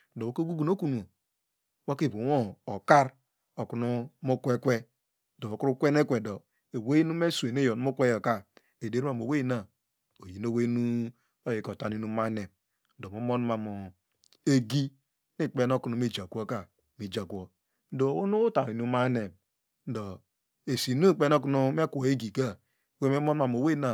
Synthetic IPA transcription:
do˨a˦ko˦ɡu˦ɡu˨n˦o˦ku˦n˨o˨˦ | wa˦ki˦˨bu˨wo˦o˨ka˦ɾ | o˨ku˨nu˦mo˦kʷe˦kʷe˦ | do˨o˨ku˦ɾu˦kʷe˦ne˦kʷe˨do˨ | e˨we˦i˦nu˦me˦su˨e˨ne˦jo˨n˨˦mu˦kʷe˦jo˨ka˦ | e˨de˦a˦˨m˨o˨we˦ji˦na˦˨ | o˨ji˨n˦o˦we˦nu˦ | o˦je˨ko˨ta˨ni˦nu˦ma˦ne˨ | n̩˦do˨mo˦mo˦n˦ma˨mo˨ | e˦ɡi˦ | ni˦˨k͡pe˦no˦ku˨nu˨mi˦d͡ʒa˨kʷo˦ka˨ | mi˨d͡ʒa˨kʷo˦ | do˨o˦nu˦ta˨i˨nu˦ma˦ne˨m | n̩˦do˨ | e˨si˨nu˦k͡pe˦no˦k̬u˦nu˦me˦kʷo˨e˦ɡi˨ka˦˨ | we˦me˦mo˦n˦ma˨m˨o˨we˦na˨

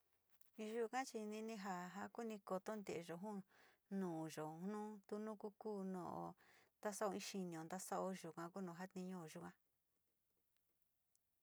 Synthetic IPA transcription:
ĩ˧ʒu˦˧kã˦t͡ʃi˧nĩ˧nĩ˧ɦa˧ɦa˧˦ku˦nĩ˧ko˧t̪o˦nd̪e˨e˧ʒo˨ɦũ˦nũː˨ʒo˨nũ˦t̪u˧nũ˦ku˦kuː˦nõ̰˧˨ʔo̰˧˨nd̪a˦sa˦o˧ĩ˦ʃi˧nĩ˨õ˨nd̪a˦sa˦ʔo˧ʒu˨kʷã˧ku˦nõ˨ɦa˦t̪ĩ˧ɲõ˦o˨ʒu˧kã˧

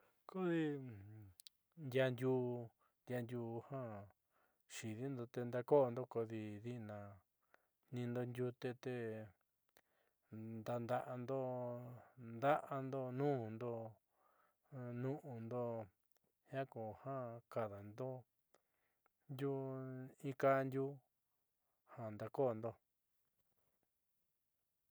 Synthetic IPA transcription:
ko˦ði˧ | nd̪ja˧nd̪juː˧ | nd̪ʲja˧nd̪ʲjuː˧hã˦ | ʃi˨ði˦nd̪o˧t̪e˧nd̪a˧ko˦˧nd̪o˦ko˧ði˧ði˦˧nã˨ | nĩ˧nd̪o˧nd̪ʲju˧t̪e˧t̪e˧ | nd̪a˧nd̪a˧ʔa˧nd̪o˦ | nd̪a˦ʔa˧nd̪o˦nũ˦˨nd̪o˦ | nũ˦ʔũ˧nd̪o˦ | hã˦ko˨hã˦ka˨ða˨nd̪o˦ | ndu˦ĩ˧˦ka˦˧nd̪ʲju˦ | ha˨nd̪a˧ko˦˨nd̪o˧

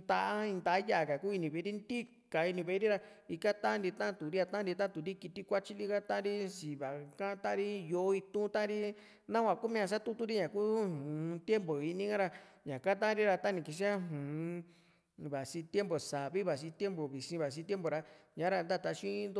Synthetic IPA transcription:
d̪a˧ʔa˦ĩ˧nd̪a˧˨˦ja˦a˨ka˨kuː˦i˧nĩ˧˨βe˧˦ɾi˦nd̪i˦ | ka˨i˧nĩ˧βe˧˦ɾi˦ɾa˧ | i˧ka˦t̪ã˦nɾi˧t̪ã˦˧t̪u˨ɾi˦a˧t̪ã˦ɾi˧t̪ã˦t̪u˨ɾi˦ki˧t̪i˧kʷa˦t͡ʃi˦li˦˧ka˦t̪ã˦ɾi˦si˨βa˨kã˦t̪ã˦˧ɾi˦jo˧˦i˧t̪ũ˦t̪ã˦ɾi˦ | nã˦kʷã˧˨ku˦mĩ˧ã˧s̬a˦t̪u˦t̪u˦ɾi˦ɲã˨ku˦hũ˨˧t̪je˦mbo˨i˧nĩ˧˦ã˦ɾa˧ɲã˨ka˦t̪ã˦ɾi˦ɾa˧t̪a˦nĩ˨ki˧s̬i˦a˦ɦũː˨˧ | βa˨si˧t̪je˦mbo˨sa˨βi˦βa˨s̬i˧t̪je˦mbo˨βi˨sĩ˧βa˨s̬ĩ˧t̪je˦mbo˨˧ɾa˧ɲã˨˦ɾa˧nd̪a˦˨t̪a˧ʃĩ˦nd̪o˧

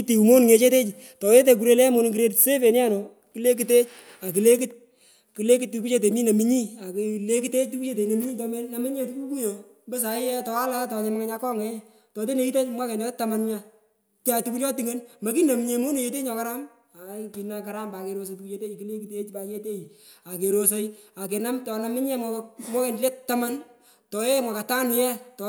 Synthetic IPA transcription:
ki˦ti˨u˨mo˦n˨ŋe˨t͡ʃe˦te˦t͡ʃi˨ | tɔ˨je˦t̬e˨ku˨ɾe˦le˦mo˦n˨kiɾe˦ɾse˦fe˨nja˦nɔ˨ | ki˦le˦k̬ite˦t͡ʃ | a˨ki˨le˦ki˦t̚ | ki˨le˦ki˦tːi˧ku˦t͡ʃe˦t̬e˨mi˦na˨mi˦ɲi˦a˨kle˦ki˦te˦t͡ʃ̚tu˦ku˦t͡ʃe˦te˨ne˨mi˦ɲiː˦tɔ˧me˦na˨mi˦ɲe˨tu˦ku˦ku˦jo˨ | bɛ˦s̬a˨ɪ˦jɛ˦tɔ˨a˦la˦tɔ˨te˨ma˦ŋa˦ɲa˧kɔ˦ŋɛ˦ | tɔ˨t̬e˦ne˨i˦te˦mwa˦kɛ˨ndle˦ta˨ma˨nɲa˨ | ta˨tu˦ku˦ljɔ˦ti˨ŋe˦nma˨ki˦na˨m˨ɲe˨mo˦ne˨je˨te˦ɲɔ˨ka˦ɾa˦m | a˨ki˨na˧ka˨ɾa˦mba˨ke˨ɾo˧s̬e˨tu˨ku˦t͡ʃe˧te˦i˨ki˦le˦ki˨te˦t͡ʃpa˨t͡ʃe˦te˦i˨a˨ke˨ɾo˨s̬o˦ja˨k̬e˨na˦mtɔ˨na˨mɪ˦ɲɛ˦mama˦kɛ˨ndle˦tːa˦ma˦n | tɔ˨e˦mwa˨ka˨ta˦nu˨jɛ˦tɔ˨

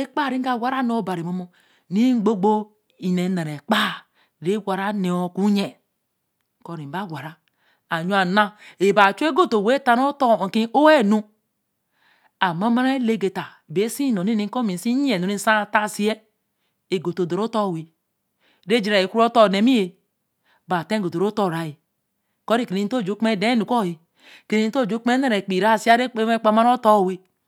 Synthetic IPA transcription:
e˦k͡pa˦˨ɾi˦ŋ˦a˦˨wa˦ɾa˦no˦˨˦ba˨ɾi˨mo˦mo˦ | ni˦ɡ͡bo˦ɡ͡bo˦ | i˨ne˨˦na˨ɾe˨k͡pa˦ | ɾe˦wʷa˨ɾa˦ne˨o˦ku˦ɲe˨ | ko˨ɾi˨ba˦˨wa˨ɾa˦ | a˨ɲ˦a˨na˦e˨ba˨t͡ʃu˦e˦ɡo˦to˨we˦ta˦no˦to˦˨ki˦ʔo˦we˦˨nu˦ | a˨ma˦ma˦ɾa˦e˦le˦˨ɡe˨ta˨be˦si˦no˨ni˦ni˦ko˦mi˨si˦e˨no˨ni˦sa˦˨ta˦˨si˦e˦ | e˨ɡo˨to˨do˨ɾo˦to˦˨we˨ | ɾe˦d͡ʒi˨ɾa˨e˨ku˦ɾo˦to˦˨ne˨mi˦je˨ | ba˨te˦ɡo˨to˨ɾo˦to˦˨ɾa˨ji˨ | ko˦ɾi˦˨ke˨˦to˦˨d͡ʒo˦k͡pme˦˨de˦nu˨ko˦˨ji˨ | ke˨˦o˦˨d͡ʒo˦k͡pme˦ne˦ɾe˨k͡pi˨ɾa˦˨si˦a˦ɾe˦e˦e˦k͡pa˨ma˦ɾo˦to˦˨we˦

